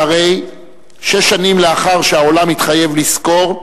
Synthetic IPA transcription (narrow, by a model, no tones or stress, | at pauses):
aʁe̞j | ʃeʃːanimleaχaʁʃeao̞lamit̪χaje̞vlisko̞ʁ